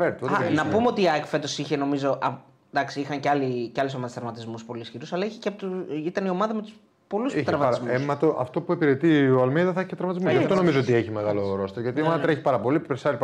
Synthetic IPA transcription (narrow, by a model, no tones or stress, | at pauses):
veɾt̪oɐnɐpumeo̞t̪iɐkfet̪o̞siçe̞no̞mizo̞ʔɐ | d̪ɐksiixɐŋceɐliceɐles̬mɐðest̪ɐɾmɐt̪izmuspo̞liːsçiɾusɐlɐiçeceɐpot̪uit̪ɐnio̞mɐðɐmet̪u̥s | po̞lust̪ɾɐmɐtɐizmemɐt̪oʔɐ̰ft̪o̞puepiɾe̞t̪ioɐlmeðɐθçi̥cet̪ɾɐɾmɐt̪izmuzɐft̪ono̞mizoot̪ieçime̞ɣalo̞ɾo̞st̪eɾʝɐt̪iomɐt̪eɾeçi̥pɐɾɐpo̞liepipɾesɐɾip